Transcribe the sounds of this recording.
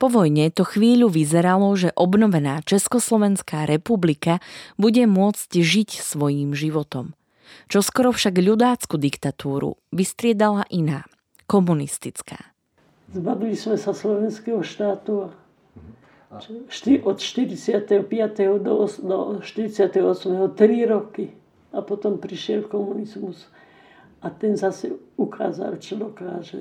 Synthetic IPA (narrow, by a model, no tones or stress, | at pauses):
pɔʋɔjɲɛt̪ɔxʋiːʎuʋizɛɾalɔʒɛʔɔbnɔʋɛnaːt͡ʃɛskɔslɔʋɛnskaːɾɛpublikabuɟɛmʊɔt͡scʒicsʋɔjiːmʒiʋɔt̪ɔm | t͡ʃɔskɔɾɔfʃaɡʎud̪aːt͡skud̪ikt̪at̪uːɾṵʋist̪ɾɪɛd̪alaʔinaː | kɔmunist̪it͡ska̰ː | zbaʋilismɛsaslɔʋɛnskɛɦɔʃt̪aːt̪ua | t͡ʃʃt̪iʔɔt̪ʃt̪iɾit͡sɪat̪ɛɦɔpɪat̪ɛɦɔd̪ɔɔsd̪ɔʃt̪iɾit͡sɪat̪ɛɦɔɔsmɛɦɔt̪ɾiɾɔki | apɔt̪ɔmpɾiʃɪɛlkɔmunizmus | at̪ɛnzasɛukʰa̰ːza̰lt͡ʃɔd̪ɔkaːʒɛ